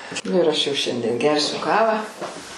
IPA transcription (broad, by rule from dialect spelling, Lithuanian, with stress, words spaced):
ˈnʊ ɪr ˈɐʃ jɛʊ ˈʃʲɛnʲdʲiɛn ˈɡʲɛrʲsʲʊ ˈkɑːʋɑː